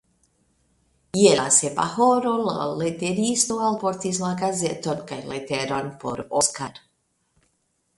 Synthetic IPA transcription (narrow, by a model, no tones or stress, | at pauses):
jelasepa̰hoɾola̰let̪eɾist̪oalpoɾt̪izmaɡazet̪onkajlet̪eɾonpo̰ɾoskaɾ